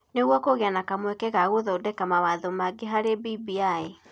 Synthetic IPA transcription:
neɣwɔkoɣeanakamwɛkɛɣaɣoðɔodɛkamawaðomaɡeɦaɾebibiae

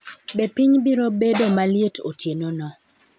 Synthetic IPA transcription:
bɛpiɲbiɾobedomaljetʰo̰tjenonɔ

